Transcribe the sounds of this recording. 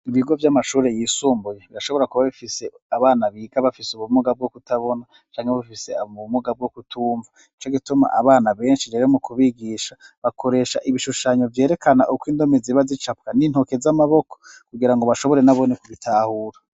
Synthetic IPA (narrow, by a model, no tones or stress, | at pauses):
iβiɡo̞vjamaʃuːɾe̞jiːsuːmbujeβiɾaʃo̞βo̞ɾakuβaβifise̞ | aβaːnaβiːɡaβafisuβumuɡab̚ɡokutaβo̞na | t͡ʃaːŋheβafise̞auβumuɡab̚ɡokutʰuːɱva | iit͡ʃoɡituma̰ʔaβaːnaβe̞ːnʃiɾeɾemukʰuβiɡiʃaβakʰo̞ɾe̞ːʃa̰ʔiβiʃuʃaːɲo̞vje̞ːɾe̞kʰana̰ʔukwiːndo̞meziβazit͡ʃap̚kanin̥ho̞ke̞zamaβo̞kokuɡiɾaŋɡo̞βaʃo̞βo̞ɾe̞naβo̞nekuβitʰaːhuːɾa